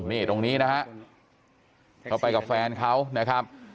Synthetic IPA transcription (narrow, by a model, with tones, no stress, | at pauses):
niː˥˩t̪o˧ŋniː˦˥na˦˥ɦa˦˥ʔ | kʰa˦˥wpa˧jka˨˩p̚fɛː˧nkʰa˦˥wna˦˥kʰɾa˦˥p̚